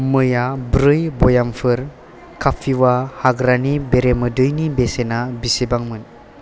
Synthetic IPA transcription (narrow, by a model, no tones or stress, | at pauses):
mɯjabɾɯjbojampʰɯɾ | kapʰiwahaɡɾanibeɾemɯdɯjnibesenabisebaŋmɯn